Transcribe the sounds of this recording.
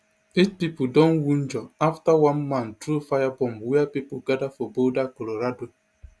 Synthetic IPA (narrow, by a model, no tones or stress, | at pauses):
et͡ʃpipudɔ̃nwun̩d͡ʒɔaftawãnmãntɾufajabɔ̃mwiapipoɡadafobodakoloɾado